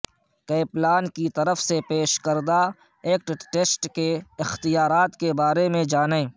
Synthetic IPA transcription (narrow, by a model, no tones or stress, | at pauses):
keːplaːnkit̪ɐɾəfsepeːʃkəɾd̪a | eːk̚ʈʈeːsʈkeɪxt̪ijaːɾaːt̪kebaːɾemẽd͡ʒaːnẽː